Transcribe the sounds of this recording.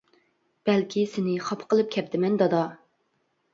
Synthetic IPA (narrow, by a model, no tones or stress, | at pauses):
b̥ɛlkʲʰisɪnɪχɑpʰqəlˠɨp̚kʲʰɛp̚t̪ʰɪmɛnd̪ɑd̪ɑ